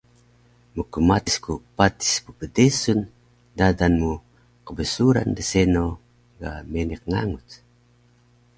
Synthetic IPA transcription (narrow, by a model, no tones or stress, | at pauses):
mukəmat̪iskupat̪i̥spupədesun | dadanmu | qəbəsuɾa̰ndəseno | ɡa̰meniq̚ŋaŋut